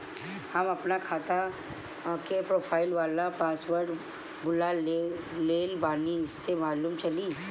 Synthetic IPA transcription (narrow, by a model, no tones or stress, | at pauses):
hɐmɐpnakʰaːt̪a | kepɾoːpʰaːɪlʋaːlapaːsʋəɾʈ | bʊla | leːlbaːniɪsːemaːluːmt͡ʃɐliː